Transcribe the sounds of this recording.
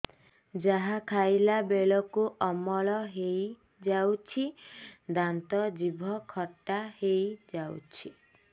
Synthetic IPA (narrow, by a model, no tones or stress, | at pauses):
d͡ʒaɦakʰajlabeɭɔkuʔɔmɔɭɔɦej | d͡ʒawt͡ʃʰid̪ant̪ɔd͡ʒibʱɔkʰɔʈːahejd͡ʒawt͡ʃʰi